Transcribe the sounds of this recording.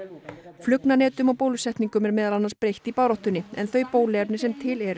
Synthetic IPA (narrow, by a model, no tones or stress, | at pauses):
flʏknanɛːt̪ʏmawpowlʏsɛht̪niŋkʏmɛɾmɛːðalanːanspɾejht̪ipaːwɾɔht̪ʏnɪɛ̰nθœɥpoːwlɛɾnɪsɛmt̪ʰɪlɛɾ